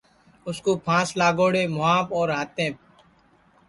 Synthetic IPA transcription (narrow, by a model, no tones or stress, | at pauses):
ʊskoːpʰãːslaːɡoːɽeːmʊãːpoːɾɦaːt̪ẽː